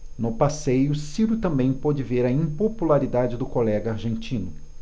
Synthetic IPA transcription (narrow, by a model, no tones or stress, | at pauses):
nʊpasejʊsiɾʊt̪ɐ̃mbẽj̃pɔd͡ʒɪveɾɐĩpopulaɾid̪ad͡ʒɪd̪ʊkolɛɡɐaɾʒẽnt͡ʃĩnʊ